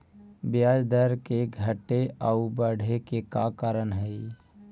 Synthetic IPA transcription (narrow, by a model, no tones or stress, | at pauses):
bjaːd͡ʒd̪əɾkeɡʱəʈːeəubəɽ̤ʱekekakaɾənɦɛi